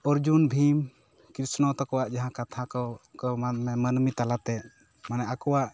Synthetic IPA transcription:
ɔɾd͡ʒunbʱim | kɾisnɔt̪ɔkɔwaʔd͡ʒaɦãkat̪ʰakɔkɔamɛmənmit̪alat̪ɛ | manɛʔakɔwaʔ

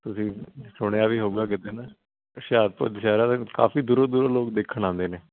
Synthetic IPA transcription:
t̪ʊsĩːsʊɽ̃aːʋiːɦoːɡaːkɪt̪eːnaː | ʃaːd̪̚pə̰ːd̪ʃaːɾaːt̪ːka̰ːfiːd̪uːɾoːd̪uːɾoːloːk̚d̪eːkʰːəɽ̃ãːnd̪eːneː

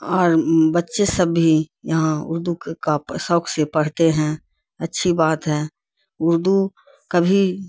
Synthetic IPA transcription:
ɔːɾbətːʃesəbːijəɦãʊ̰ɾd̪ukkasɔːkʰsepɐɽ̤t̪eɦɛ̃ | ɐtːʃʰibaːt̪ɦɛː | ʊɾd̪u | kəbʱi

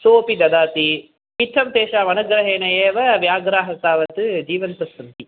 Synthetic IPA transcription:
soːpid̪ɐd̪aːt̪i | pit̪ʰːɐmt̪eːʃaːʋɐnɐɡɾɐɦeːnɐjeːʋɐʋjaːɡɾaːɦɐt̪aːʋɐt̪ɯd͡ʒiːʋɐnt̪ɐsɐnt̪i

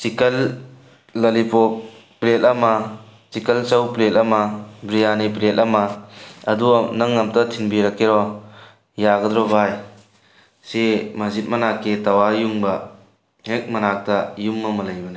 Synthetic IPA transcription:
sikɐlː | ɐlipɔ | pletɐmɐ | sikɐlt͡ʃɐwpletɐmɐbɾijanipletɐmɐɐduɐnɐŋːɐmtɐtʰinbiɾɐkːeɾɔ | jaɡɐdɾɔbaj | semɐzit̚mɐnakːetɐwajuŋbɐ | hek̚mɐnak̚tɐjumːɐmɐlɐjbɐni

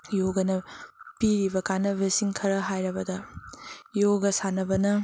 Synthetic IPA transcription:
joɡɐnɐpiɾibɐkanɐbesiŋkʰɐɾɐɦajɾɐbɐdɐ | joɡɐsanɐbɐnɐ

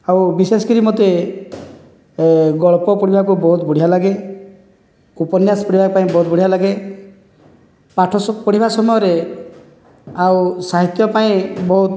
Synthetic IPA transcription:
awbisesɔkiɾimot̪e | ɡɔɭpɔpɔɽibʱakubɔɦut̪buɽ̤ialaɡe | upɔnjaspɔɾibʱakpaĩbɔɦut̪̚buɽ̤ialaɡe | paʈʰɔspɔɽibʱasɔmɔjɔɾe | awsaɦit̪jɔpaĩbɔɦut̪

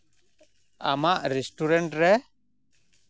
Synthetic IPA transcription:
a̰maʔɾɛsʈuɾɛnʈɾɛ

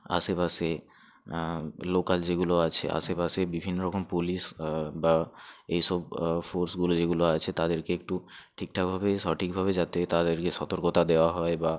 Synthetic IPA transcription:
a̰sepase | lokald͡ʑeɡuloat͡ɕʰeʔa̰sepasebibʱinːoɾɔkompulisbaejʃɔbfoɾsɡulod͡ʑeɡuloat͡ɕʰet̪ad̪eɾkeek̚ʈuʈʰik̚ʈʰabʱabeʃɔʈʰik̚bʱaβed͡ʑat̪et̪ad̪eɾkeʃɔt̪oɾkot̪ad̪eoaɦɔeba

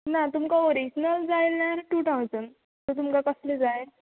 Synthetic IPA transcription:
nat̪umkaoɾid͡ʑnald͡zajlnaɾʈuʈaʋt͡sən | t̪ət̪̬umkakəsled͡zaj

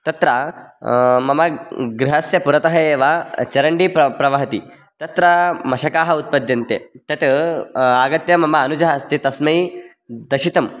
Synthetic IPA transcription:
t̪ɐt̪ɾa | mɐmɐɡɾiɦɐsjɐpuɾɐt̪ɐɦɐjeːʋaːt͡ʃɐɾɐɳɖipɾɐʋɐɦɐt̪i | t̪ɐt̪ɾɐmɐʃɐkaːɦɐut̪̚pɐd̪jɐnt̪ḛt̪ɐt̪eaːɡɐt̪jɐmɐmɐːnud͡ʒɐɦast̪it̪ɐsmɐji | d̪ɐʃit̪ɐm

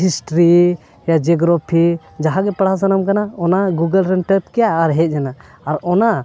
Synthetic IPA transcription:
ɦisʈɾi | jad͡ʒɛɡɾɔpʰi | d͡ʒaɦaɡɛpaɽasanəmkanaɔnaɡuɡəlɾɛnʈəp̚kɛjaːɾɦɛc̪̚ˀd͡ʒanaː | ɾɔna

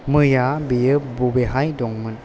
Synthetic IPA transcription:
mɯjabijɯbubeɦajdɔŋmɯn

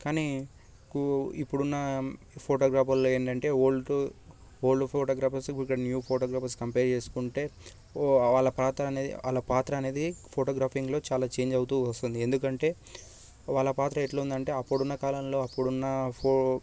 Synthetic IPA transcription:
kaːniː | kipːuɽunːɐ | pʰoːʈoːɡɾaːpʰɐlloːeːɳʈɐɳʈe̞ːoːɭʈu | oːlɖupʰoːʈoːɡɾaːpɐɾsikːɐɽɐnjuːpʰoːʈoːɡɾaːpɐɾskɐmpeːɾt͡ʃe̞ːsu̥kuɳʈe̞ː | ʋaːɭɐpɾaːt̪ɾɐɐneːḭa̰ːlɐpaːt̪ɾɐːne̞ːd̪ipʰoːʈoːɡɾaːpʰiŋɡlo̞ːt͡ʃaːlaːt͡ʃe̞ːɲd͡ʒɐwut̪uːʋɐst̪und̪ie̞nd̪ukɐɳʈe̞ː | ʋaːɭːɐpaːt̪ɾɐeʈloːund̪ɐɳʈe̞ːɐpːuɽunːɐkaːlɐmlo̞ːɐpːuɽunːɐpʰo

